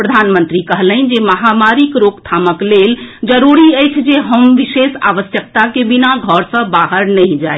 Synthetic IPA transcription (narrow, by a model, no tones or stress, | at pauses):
pɾəd̪ʱanmənt̪ɾikəɦləɪnd͡ʒeməɦamaɾikɾokt̪ʰaməkleld͡ʒəɾuɾiəjt͡ʃʰd͡ʒeɦəmʋisesa̰ʋəsjək̚t̪akebinaɡʱɔɾsə̃baɦəɾnəɪ̃d͡ʒae